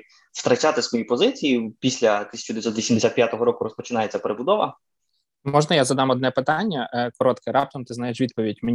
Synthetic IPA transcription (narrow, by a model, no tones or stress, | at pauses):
st̪ɾɐt͡ʃat̪ɪsmɔjijpɔzɪt͡sʲijipʲisʲlʲɐt̪ɪsʲɐ̥t͡ʃʊd̪ejt̪sɔt̪ʋʲisʲimd̪esʲat̪̚pjat̪ɔɦɔɾɔkʊɾɔspɔt͡ʃɪnɑjet͡sʲːɐpeɾebʊd̪ɔʋɐ̰ | mɔʒnɐjazɐd̪ɑmɔd̪nɛpɪt̪ɑnʲːɐkɔɾɔt̪kɪɾɑp̚t̪ɔmt̪ɪznajeʃʋʲid̪̚pɔʋʲidʲme